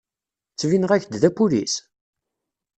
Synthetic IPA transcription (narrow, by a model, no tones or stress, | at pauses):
t͡sːvinəʁæçd̪ðæpulḭs